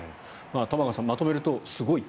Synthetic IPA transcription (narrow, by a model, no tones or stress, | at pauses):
mat̪amaɡasãmːat̪o̞me̞ɾɯ̟t̪o̞sɨɡo̞i